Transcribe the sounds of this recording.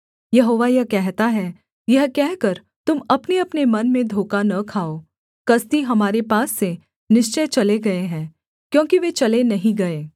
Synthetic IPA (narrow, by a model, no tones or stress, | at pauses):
jɐɦoːʋajɐɦkɛɦt̪aɦɛ | jɐɦkɛɦkɐɾ | t̪ʊmɐpneɐpnemɐnmẽd̪ʱoːkanɐkʰaːo | kɐst̪iɦɐmaːɾepaːsːe | nɪʃt͡ʃət͡ʃɐleɡɐeɦɛ̃ː | kjõːkiʋet͡ʃɐlenɐɦĩɡɐeː